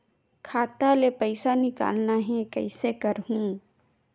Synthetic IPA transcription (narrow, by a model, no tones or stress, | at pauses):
kʰaːt̪alepəɪsanɪka̰ːlnaɦɛ̃kɐɪsekɐɾɦũː